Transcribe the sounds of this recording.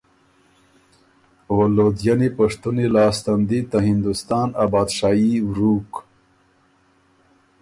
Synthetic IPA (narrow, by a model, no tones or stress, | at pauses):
wolod̪janipaʂt̪unilɑːst̪and̪it̪aɦɪnd̪ust̪ɑːnabɑːd̪ʃɑːiwɾuk